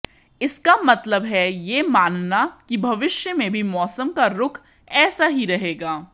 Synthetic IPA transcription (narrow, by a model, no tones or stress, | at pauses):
ɪskamɐt̪ləbɦɛjeːmaːnnakibʱɐʋɪʃjəmẽbʱimɔːsəmkaɾʊkʰ | ɛːsaɦiɾɐɦeːɡaː